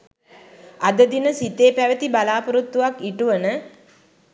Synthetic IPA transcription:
ad̪əd̪inəsit̪eːpæʋət̪ibalaːpuɾut̪ːuʋakiʈuʋənə

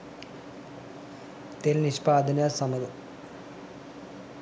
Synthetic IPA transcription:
t̪elniʂpaːd̪ʱɐnasɐmɐðɐ

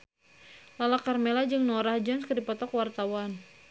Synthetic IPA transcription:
lalakarmelad͡ʒɨŋnɔɾahd͡ʒɔnskədipɔt̪ɔkwart̪awan

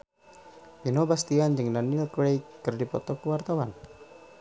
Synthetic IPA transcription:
pinobast̪iand͡ʒɨŋdanilklejkɨrdipɔ̰t̪ɔkəwart̪awan

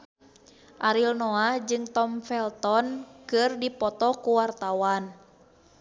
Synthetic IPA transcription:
ʔaɾilnɔad͡ʒɨŋt̪ɔmfɛlt̪ɔnkɨrdipɔt̪ɔkuwart̪awan

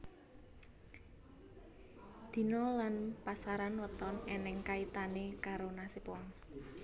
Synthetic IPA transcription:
d̪̥i̤nɔlanpasaɾanwət̪ɔnenɛŋkait̪anekaɾonasipɔŋ

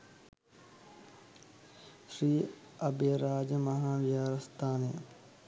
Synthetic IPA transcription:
ʃɾiː | ɐbeːɾaːd͡ʒmɐɦaːʋɪjaːɾɐst̪ʰaːneː

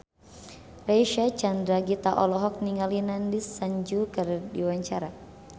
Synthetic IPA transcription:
raʃat͡ʃand̪ɾaɡit̪aʔɔlɔɦɔk̚niŋalinandisːaɲd͡ʒukɨrdiwaɲt͡ʃaɾa

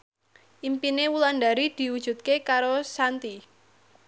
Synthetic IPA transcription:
ʔimpinewulandaɾid̪̥i̤wud̥ʒ̥ṳt̪̚kekaɾosant̪i

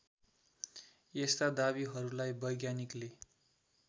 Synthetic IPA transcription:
jest̪ad̪abiɦʌɾulajbʌjɡjanikle

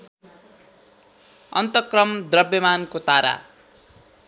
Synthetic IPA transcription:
ʌ̰nt̪ʌkrʌmd̪rʌbjʌmankot̪aɾa̰

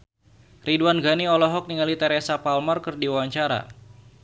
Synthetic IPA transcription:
riduanɡaniɔlɔɦɔk̚niŋalit̪ɛɾesapalmɔrkɨrdiwawaɲt͡ʃaɾa̰

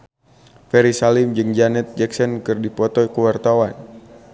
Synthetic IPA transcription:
fɛɾisalɪmd͡ʒɨŋd͡ʒanɛt̪̚d͡ʒɛksɔnkɨrdipɔt̪ɔikuwart̪awan

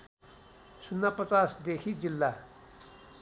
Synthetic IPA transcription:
sʊnːapɐt͡saːsd̪eːkʰid͡ʑilːa

